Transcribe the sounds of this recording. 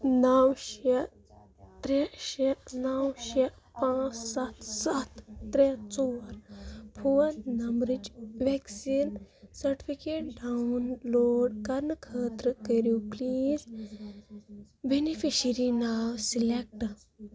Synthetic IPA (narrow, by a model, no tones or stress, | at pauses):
nɐwʃe | t̪ɾeɕenɐwʃe | pãt͡ssat̪sat̪ːɾet͡soɾpʰonɐmɾid͡ʒʋɛksinsɐɾʈi̥pikeʈ̚ɖawunloːɖkɐɾnəkʰəːt̪ɾəkəɾjupliːz | benifiɕəɾinawsilek̚ʈ